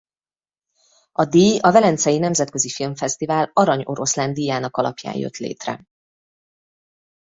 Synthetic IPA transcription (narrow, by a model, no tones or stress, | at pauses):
ɒd̪iːjɒvɛlɛnt̪sɛjinɛmzɛt̪køzifilɱfɛst̪ivaːlɒɾɒɲo̞ɾo̞sland̪ijaːnɒkɒlɒ̰pja̰ːjjø̰t̪lḛːt̪rɛ̰